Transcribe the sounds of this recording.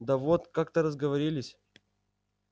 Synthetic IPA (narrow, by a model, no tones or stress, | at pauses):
d̪ɐvot̪kak̚t̪əɾəzɡəvɐɾʲilʲɪsʲ